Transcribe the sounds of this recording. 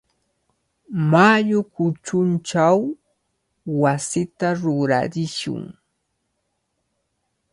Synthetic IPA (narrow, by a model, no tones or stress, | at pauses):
maʎʊkʊt͡ʃʊnt͡ʃaw | asɪt̪aɾʊɾa̰ɾɪʃʊ̰ŋ